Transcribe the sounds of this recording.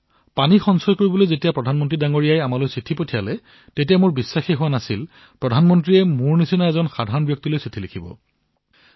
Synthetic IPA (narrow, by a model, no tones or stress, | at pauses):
panixɔnsɔjkoɹibɔlojzetijapɹɔdʱanmɔntɹidaŋoɹijajamalojsɹitʰipotʰijalɛ | tetijamʊɹbisːaxiɦʊwanasil | pɹɔdʱanmɔntɹiɛmʊɹnisinaɛzɔnxadʱaɹɔnbjɔk̚tilojsɹitʰilekʰibɔ̰